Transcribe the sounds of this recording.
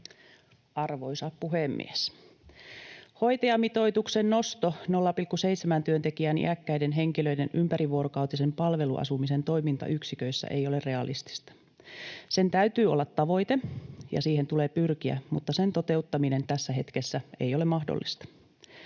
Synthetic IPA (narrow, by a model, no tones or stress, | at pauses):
ʔɑrʋo̞jsɑppuɦemːḭes | ho̞jt̪eɑmit̪o̞it̪uksenno̞st̪ono̞lːɑpilkːuseit̪semænt̪yøt̪ekiænʔḭʔækːæidenɦe̞ŋkiløidenympæɾiʋuoɾokɑwt̪ise̞mpɑlʋe̞lṵʔɑ̰sumise̞nt̪o̞jmint̪ɑ̰ʔyksikøisːæ̰ʔejo̞le̞rre̞ɑlʔist̪i̥st̪ɑ̥ | se̞nt̪æyt̪yːolːɑt̪ːɑʋo̞jt̪e̞jɑ̰siːhe̞nt̪uleːpyrkiæ̰mut̪ːɑsent̪o̞t̪e̞ut̪ːɑmine̞nt̪æsːæɦe̞t̪kesːæe̞jo̞lemɑhdo̰lːist̪ɑ̥